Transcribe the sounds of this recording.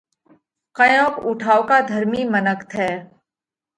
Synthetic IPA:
kɐjõːkʊʈʰaːokad̪ʱəɾmimənəkt̪ʰɛː

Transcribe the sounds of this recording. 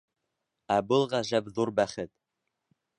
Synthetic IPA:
æbɤlˠʁɑʒæbðuɾbæχɘt̪̚

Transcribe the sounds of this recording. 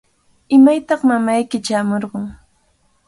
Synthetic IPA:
ɪmajt̪ɑχmamajkɪt͡ʃaːmoɾɢɑŋ

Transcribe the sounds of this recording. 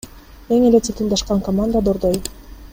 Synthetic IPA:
eŋelet̪et̪ɯnd̪ɑʃqɑŋkɐmand̪əad̪oɾd̪oj

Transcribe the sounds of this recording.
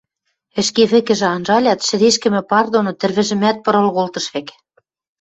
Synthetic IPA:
ɘ̆ʃkeβɘ̆kɘ̆ʒɘ̆ɑnʒɑlʲɑt̪ʃɘ̆ɾeʃkɘ̆mɘ̆pɑrd̪onŏt̪ɘ̆rβɘ̆ʒɘ̆mæt̪̚pɤ̆ɾɤ̆lɣolt̪ɤ̆ʃek

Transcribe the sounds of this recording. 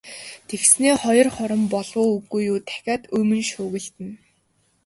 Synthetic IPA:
t̪ʰexsneːχɔjɞ̆rχɔɾɞ̆mpɔɮwʊːuɣujːuːt̪ʰæ̥xʲaːt̪ɵmɵ̆nʃʊːɣɘ̆ɮt̪ɘ̆n

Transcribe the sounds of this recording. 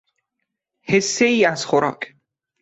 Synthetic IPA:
hesːeiːæzxoɾɒ̰ːkʰ

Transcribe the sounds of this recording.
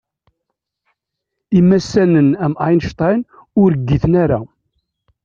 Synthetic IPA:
imːæsːænənæmajnʃt̪ˤɑn | ʊɾəɡːiθənæɾa

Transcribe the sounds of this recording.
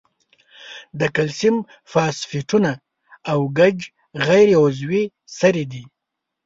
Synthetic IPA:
d̪əkalsim | fɑsfiʈunaː | wɡad͡ʒ | ɣajɾeʊzwi | saɾed̪i

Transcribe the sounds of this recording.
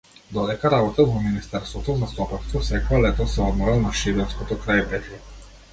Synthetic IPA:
d̪ɔd̪ɛkaɾabɔt̪avɔminist̪ɛɾst̪vɔt̪ɔzast̪ɔpakst̪vɔfsɛkɔalɛt̪ɔsɛɔd̪mɔɾalˠnaʃiɾɛnskɔt̪ɔkɾajpɛt̪ɛ

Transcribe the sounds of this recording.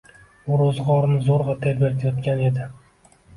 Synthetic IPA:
ʊɾozʁɒɾnɪzoɾʁɑt̪ʰeɾbt̪ʰjɒt̪̚kʲane̞d̪ɪ

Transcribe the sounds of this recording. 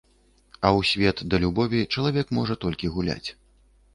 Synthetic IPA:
ɐwsʲvʲɛt̪d̪ɐlʲubɔvʲit͡ʂɐlˠavʲɛkmɔʐɐt̪ɔlʲkʲiɣulʲa̰t͡sʲ

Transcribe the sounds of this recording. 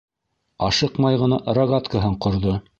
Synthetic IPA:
ɑʃɤqmɑjʁɤ̆nɑʔrɐɡat̪kaɦɤɴqŏɾðo

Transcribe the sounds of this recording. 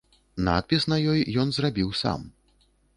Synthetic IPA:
na̰t̪̚pʲisnɐjɔjjɔnzrabʲiwsa̰m

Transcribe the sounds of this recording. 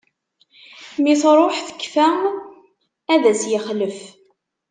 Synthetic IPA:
miθɾˤoħθə̥kːfæ | æðæsjəχləf

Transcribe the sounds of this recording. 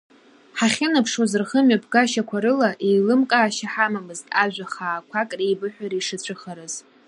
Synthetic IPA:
ħaχʲɪnapʰʂwazɨrχəmɥapʰɡaʃakʷʰaɾɨlaʔejlɨmkʼaːʃaħamamɨztʼaʒʷᶣaχaːkʷʰakʼrejbɨħʷᶣaɾiʂɨt͡ɕʷʰɨχaɾɨz̥

